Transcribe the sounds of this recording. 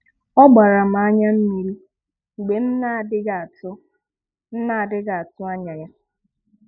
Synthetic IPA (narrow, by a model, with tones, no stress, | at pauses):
ɔ˦ɡ͡ba˨ɾa˨m̩˨a˦ɲa˦m̩˦mi˨ɾi˦ | ŋ͡m̩˨ɡ͡be˨m̩˦na˦˨dɪ˦ɡa˨tʊ˦ | n̩˦na˦˨dɪ˦ɡa˨a˨tʊ˦a˦ɲa˨ja˦